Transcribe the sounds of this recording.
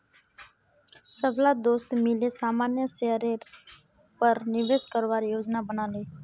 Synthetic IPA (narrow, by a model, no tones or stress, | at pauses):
səbʱlad̪oːst̪mɪlesaːmaːnjəseɾe | pəɾnɪʋeːskəɾʋaːɾijoːd͡ʒnabənaːleː